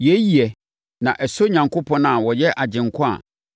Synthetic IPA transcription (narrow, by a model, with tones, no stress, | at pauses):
jɛ˨˦ji˨ɛ˨ | nã˨ʔɛ˨so˦ɲã˨ŋkʰo˦pʰɔ̃˦nã˨wɔ˨jɛ˦ʔa˨d͡ʑɪ̃˨ŋ˨kʰɔ̃˦a̰˨